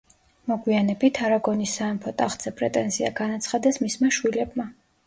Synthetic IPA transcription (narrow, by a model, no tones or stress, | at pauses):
mɔɡwianɛbit̪ʰaɾaɡɔnisːaɛmpʰɔt̪ʼaχd̪z̥ɛpʼɾɛt̪ʼɛnzia̰ɡanat̪sʰχad̪ɛsmismaʃwilɛbma